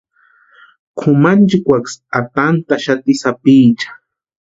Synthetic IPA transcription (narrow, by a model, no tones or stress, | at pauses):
kʰʊmant͡ʃikʷaksat̪ant̪aʃat̪ɪsapiːt͡ʃḁ